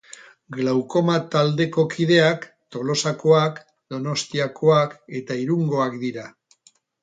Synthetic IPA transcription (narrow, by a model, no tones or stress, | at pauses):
ɡlawko̞mat̪ald̪e̞ko̞kið̞e̞ak | t̪o̞lo̞sako̞ak | d̪o̞no̞st̪iako̞ake̞t̪aiɾuŋɡo̞akd̪iɾa